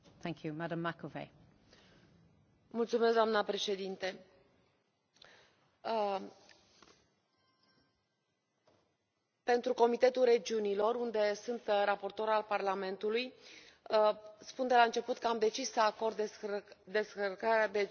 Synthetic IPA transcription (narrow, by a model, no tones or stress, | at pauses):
θæ̃ŋkʰjumadə̃mːakoveɪ | mult̪sumesɡd̪oamnəpɾe̞ʃe̞d̪int̪e̞ | pe̞nt̪ɾuko̞mit̪e̞t̪ulre̞d͡ʒiunilo̞rund̪e̞sunt̪ɾapo̞rt̪o̞ɾalparlame̞nt̪uluj | spund̪e̞laɨnt͡ʃe̞put̪kəamd̪e̞t͡ʃissəako̞rd̪ | d̪e̞skərkaɾead̪e